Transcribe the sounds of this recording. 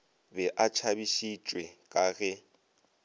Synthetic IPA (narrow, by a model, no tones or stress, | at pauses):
bɛʔat͡ʃʰabiʃit͡ʃʼwɛkʼaːɣɛ